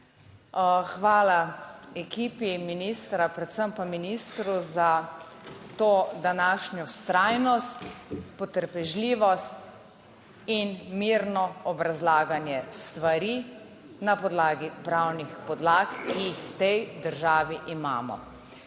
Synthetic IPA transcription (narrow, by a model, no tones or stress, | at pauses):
xʋaːlaɛkiːpiminist̪ɾapɾɛt̪səmpaminist̪ɾuza | t̪oːd̪anaːʃnjɔst̪ɾajnɔst̪pɔt̪əɾpɛʒliːʋɔst̪ | inmiɾnɔɔbɾazlaːɡanjɛst̪ʋaɾi | napɔd̪laːɡipɾawnixpɔd̪laːkːiixwt̪ɛjd̪əɾʒaːʋiʔima̰ːmɔ̰